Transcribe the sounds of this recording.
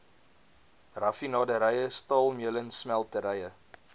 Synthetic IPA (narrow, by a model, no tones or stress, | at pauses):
rɐfinɑːdəɾɛjəstɑːlˠmiələnsmælˠtəɾɛjə